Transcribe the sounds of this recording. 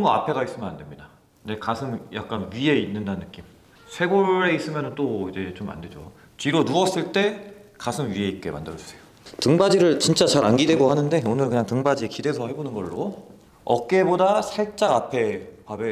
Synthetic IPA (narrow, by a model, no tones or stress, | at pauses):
ŋɡʌa̰pʰe̞ɡais͈ɯmjʌnandwe̞mɲida | ne̞kasʰɯmja̰k̚k͈anɥie̞inːɯndanːɯk͈im | sʰe̞ɡoɾe̞is͈ɯmjʌnɯnt͈oid͡ʑe̞t͡ɕomːa̰nde̞d͡ʑo̰ | t͡ɕiɾonuʌs͈ɯɭt͈e̞kasʰɯmɥie̞it̚k͈e̞̰ma̰ndɯɾʌs͈ejo | tɯŋbad͡ʑiɾɯɭt͡ɕint͡ɕ͈at͡ɕaɾanɡidwe̞ɡohanɯnde̞onɯɭkɯɲaŋtɯŋbad͡ʑiekide̞sʰʌhe̞bonɯnɡʌɭːo̰ | ʌ̰k̚k͈e̞bodasʰaɭt͡ɕ͈aɡapʰe̞pabe